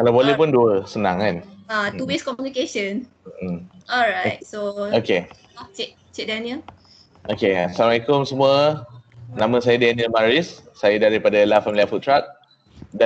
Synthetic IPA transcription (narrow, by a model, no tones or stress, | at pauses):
kalawbolɛhpʊnduəsənãŋanat̪uwiskɔmjunikeʃə̃n̩ | ɔlɹajt̚sooke | t͡ʃɛ | t͡ʃɛʔ̚dɛnil | ʔokeasamaikomsəmuə | nãmə̃sajədɛnilmaɹisːajadaɾipadalafamiliafut̪ːɹat̚ | da